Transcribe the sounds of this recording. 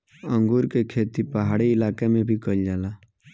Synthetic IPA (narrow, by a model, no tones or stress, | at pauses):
ə̃ŋɡuːɾkekʰeːt̪ipəɦaːɽiɪlaːkemẽbʱikəld͡ʒaːlaː